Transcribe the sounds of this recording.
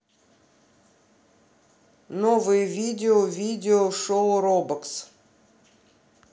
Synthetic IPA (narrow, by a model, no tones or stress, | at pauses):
novɨjəvʲidʲɪovʲidʲɪoʂoʊɾobəks